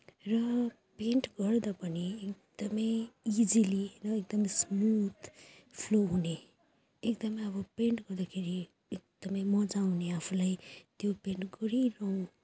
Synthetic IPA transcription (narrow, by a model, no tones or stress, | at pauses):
rʌ | peɳʈɡʌɾd̪apʌniekd̪̥ʌmʌjid͡zilirʌek̚d̪ʌmʌsmut̪ʰ | pʰloɦuneː | kd̪ʌmʌjʌbʌpeɳʈɡʌɾd̪akʰeɾi | ek̚d̪̥ʌmʌjmʌd͡zaw̃neapʰulajt̪jopeɳʈɡʌɾiɾʌũ